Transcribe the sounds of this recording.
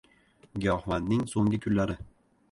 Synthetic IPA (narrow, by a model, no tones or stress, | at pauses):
ɡʲɒhmanːɪŋsoŋɡʲɪkʲʰʊnlaɾɪ